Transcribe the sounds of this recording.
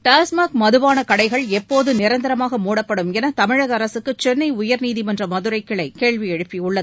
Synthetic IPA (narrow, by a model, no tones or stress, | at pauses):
ʈaːsmaːkmɐðɯʋaːnɐkɐɽɐɪɣɐɭɛpːoːðɯnɪɾɐnd̪ɐɾɐmaːɣɐmuːɽɐpːɐɽɯmɛnɐt̪ɐmɪɻɐɣɐːɾɐsɯkːɯt͡ʃɛnːɐɪʊjɐɾniːðimɐndrɐmɐðɯɾɐɪkːɪɭɐɪkeːɭʋiɛɻɯpːiʊɭːɐð